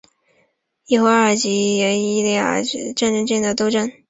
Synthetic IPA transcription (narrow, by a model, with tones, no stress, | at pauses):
i˥˩xwo˧˥ə˨˩t͡ɕi˧˥jɛ˧˥ni˥˧li˥˩ə̰˧˩˧ʈ͡ʂa˥˧nʈ͡ʂə˥˧nʈ͡ʂə˥˧˥ŋd̪ə˩t̪o˥˧ʊʈ͡ʂə˥n